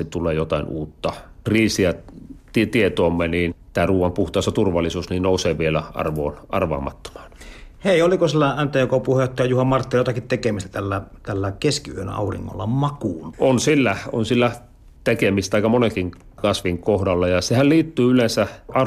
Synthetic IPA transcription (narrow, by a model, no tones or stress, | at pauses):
it̪t̪ulˑeːjot̪ɑˑinuːt̪ːɑkriːsiæt̪it̪iet̪oːmːeniːnt̪æːruːʋɑmpuht̪ˑɑˑːsɑt̪urʋɑlːˑisuːsniːnnoˑuseːʋielæɑ̰rʋoːnʔɑ̰rʋɑ̰ːmɑ̰t̪ːo̥mɑ̥ːnheˑiolikosilːæænt̪eokopuhet̪ːɑjɑjuhɑmmɑrt̪ːiljot̪ɑkit̪t̪ekemist̪æ̥t̪ælːæt̪ælːækeskiyønɑ̰urḭŋːo̰lːɑmɑkuːnʔonsilːæo̰nsilːæ | t̪ekemist̪t̪ɑˑikɑmonekiŋ | kɑsʋiŋkohdɑlːɑjɑsehælliːt̪ːyːylensæʔɑ